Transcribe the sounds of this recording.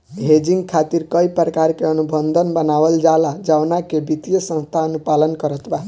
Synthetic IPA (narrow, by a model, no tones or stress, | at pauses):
ɦed͡ʒiŋɡkʰat̪iɾkəipɾəkaɾkeənubənd̪ʱənbənabəld͡ʒalad͡ʒawnakebit̪ijəsə̃ñst̪ʰaənupalənkəɾət̪ba